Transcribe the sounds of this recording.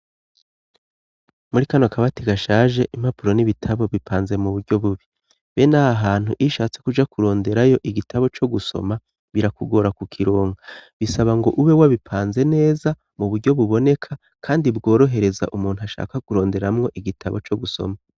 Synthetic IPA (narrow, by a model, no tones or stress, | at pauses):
muɾikanokaβatiɡaʃaːʒe̞ʔim̥apuɾo̞niβitʰaβo̞βipʰaːnze̞muβuɾɟo̞βuβi | βe̞nahaɦaːn̥huʔiʃaːt͡se̞kud͡ʒakuɾo̞ːnde̞ɾajo̞ʔiɡitʰaβo̞t͡ʃo̞ɡuso̞̰ma | βiɾakuɡo̞ɾakukʰiɾo̞ːŋɡaβisaβaŋɡo̞ʔuβe̞waβipʰaːnze̞ne̞ːza | muβuɾɟo̞βuβo̞ne̞kʰa | kʰaːndibɡo̞ːɾo̞ɦe̞ɾe̞za̰ʔumuːn̥uaʃa̰ːkakuɾo̞ːnde̞ɾamŋo̞ʔiɡitʰaβo̞t͡ʃo̞ɡuso̞̰ma